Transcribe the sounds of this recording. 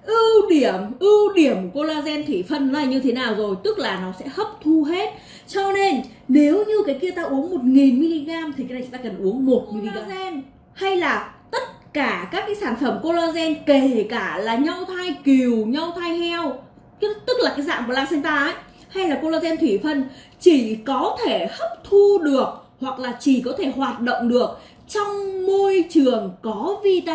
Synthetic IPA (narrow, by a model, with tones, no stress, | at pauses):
ʔɨ˧ɗi˧˩əmʔɨ˧ɗi˧˩əmku˧˩ko˧laː˧zɛ˧nt̪ʰwi˧˩fə˧nːɔ˨˦laː˨˩ɲɨ˧t̪ʰe˨˦naː˨˩wzo˨˩jt̪ɨ˦˥k̚laː˨˩nɔ˨˦sɛ̰˧˥hə˦˥p̚t̪ʰu˧ɦe˦˥t̚ | t͡ɕɔ˧ne˧n | ne˨˦wɲɨ˧kaː˨˦jki˧ət̪aː˧ʔu˨˦əŋmo˨˩t̚ŋi˨˩nmi˧li˧ɣaː˧mt̪ʰi˨˩a˨˦n˨˩˨t̪aː˧kə˨˩nʔu˨˦əŋmo˨˩t̚mi˨li˨˩˧a˧zɛ˧n | ha˧jlaː˨˩t̪ə˦˥t̚kaː˧˩kaː˦˥kːaː˨˦jsaː˧˩nfə˧˩mko˧laː˧zɛ˧nke˧˩kaː˧˩laː˨˩ɲa˧wt̪ʰa˧jki˨˩wɲa˧wt̪ʰaː˧jhʰɛ˧w | t̪ɨ˦˥k̚laː˨˩kaː˨˦jza̰ː˧˨ku˧˩əla̰˧˨sɛ˧nt̪aː˧˨˦j | ha˧jlaː˨˩ko˧laː˧zɛ˧nt̪ʰwi˧˩fə˧n | t͡ɕi˧˩kɔ˨˦t̪ʰe˧˩hə˦˥p̚t̪ʰu˧ɗɨ˨˩ək̚ | hwa˨˩k̚laː˨˩t͡ɕi˧˩kɔ˨˦t̪ʰe˧˩hwaː˨˩t̚ɗo̰˧˨wŋ͡mɗɨ˨˩ək̚ | t͡ɕɔ˧wŋ͡mmo˧jt͡ɕɨ˨˩əŋkɔ˨˦vi˧t̪a˧